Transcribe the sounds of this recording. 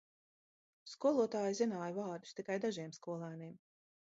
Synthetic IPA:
skuɔlˠuɔt̪aːjzinaːjvaːɾd̪u̥st̪ikajd̪aʒiɛmskuɔlˠaːniɛm

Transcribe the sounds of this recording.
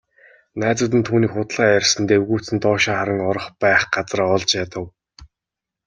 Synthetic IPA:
næːt͡sə̆t̪̬ɘ̆nt̪ʰuːniːkχʊt̪ɮaːærʲsə̆nt̪ewɣuːt͡sɘ̆nt̪ɔːʃaːχaɾə̆ŋɔɾɞ̆χpæːχɢat͡sraɔɮt͡ɕjat̪ə̆w

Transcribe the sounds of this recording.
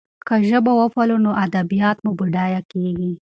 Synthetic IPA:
kaʒəbawəfalonoʔad̪abijɑt̪mubuɖɑjakeɡi

